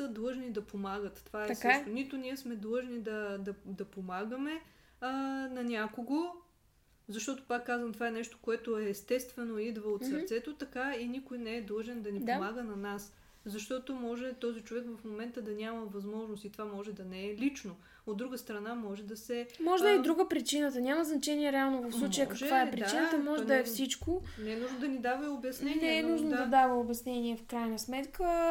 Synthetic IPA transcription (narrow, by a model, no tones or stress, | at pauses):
əd̪lˠɤʒnid̪ɐpomaɡət̪tːovaɛsʃt̪onit̪ʊniɛsmɛd̪lˠɤʒnid̪ɐd̪ɐd̪ɐpomaɡəmɛ | ənɐnʲakoɡo | zɐʃt̪ɔt̪o̥pakːazvəmt̪ovaɛnɛʃt̪o̥koɛt̪oɛːst̪ɛst̪vɛnoid̪vəot̪səɾt̪sɛt̪ot̪ɐkainikʊjnɛɛd̪lˠɤʒɛnd̪ɐnidpomaɡənɐnas | zɐʃt̪ɔt̪omɔʒɛt̪ɔzit͡ʃovɛkvɐfmomɛnt̪əd̪ɐnʲaməvɐzmɔʒnost̪it̪ovamɔʒɛd̪ɐnɛɛlit͡ʃno | od̪ːɾuɡəst̪ɾɐnamɔʒɛd̪ɐsɛmɔʒɛd̪əɛd̪ɾuɡəpɾit͡ʃinət̪ənʲaməznɐt͡ʃɛniɛɾɛalˠnovəfsslˠut͡ʃəjəkɐʒkvaɛpɾit͡ʃinət̪əmɔʒɛd̪əɛfsit͡ʃkonɛɛnuʒnod̪ɐnid̪avəobjɐsnɛnɛɛnuʒnod̪ɐd̪avəobjɐsnɛniɛfkɾajnəsmɛt̪kʰə